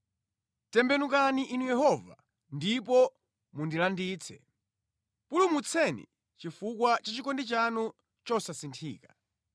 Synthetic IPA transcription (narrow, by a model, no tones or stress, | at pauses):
tɛmbɛnuk̬aniʔinujɛhɔva̰ | ndipɔ | mundilandiːt͡sʰɛ | pulumut͡sʰɛnḭ | t͡ʃifukwat͡ʃat͡ʃikɔndit͡ʃanu | t͡ʃɔsasintʰiːkḁ